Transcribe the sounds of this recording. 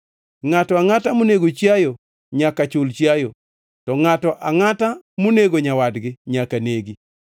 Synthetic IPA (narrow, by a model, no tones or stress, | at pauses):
ŋatɔaŋatamoneɡot͡ʃjajo | ɲakat͡ʃʊlt͡ʃjajo | tɔŋatɔʔaŋatamoneɡoɲawadɡɪɲakaneɡi